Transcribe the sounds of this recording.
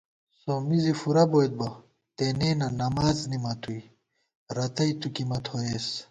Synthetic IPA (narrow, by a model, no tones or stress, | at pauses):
somizifuɾɐbojd̪̚bɐ | t̪eneːnɐnɐmaːznimɐt̪ʰuj | ɾɐt̪ɐjt̪ukimɐt̪ʰoes